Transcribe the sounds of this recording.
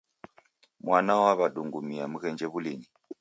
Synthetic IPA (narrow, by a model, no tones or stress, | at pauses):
mwanawaβaɗuŋɡumiamuɣɛnd͡ʒɛβulini